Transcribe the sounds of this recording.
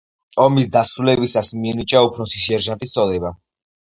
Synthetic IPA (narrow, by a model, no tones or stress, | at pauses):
ɔmisd̪asɾulɛbisasmiɛnit͡ʃʼaupʰɾɔsisiɛɾʒant̪ʼist̪sʰʼɔd̪ɛba